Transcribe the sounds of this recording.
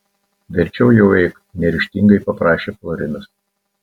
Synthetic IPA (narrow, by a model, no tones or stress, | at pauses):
ʋʲɛɾʲt͡ʃʲɛʊjɛʊɛɪk | nʲɛɾʲɪʃʲt̪ʲiŋɡɐɪpɐpɾɑːʃʲeːflˠɔɾʲɪnʲʊs